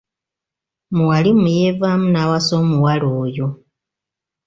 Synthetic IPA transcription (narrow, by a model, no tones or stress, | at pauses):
muwalimujevamunawasomuwaloːjo̞